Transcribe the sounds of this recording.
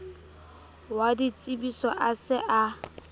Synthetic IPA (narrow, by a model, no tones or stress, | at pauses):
wadit͡sʼibisɔʔasɪʔa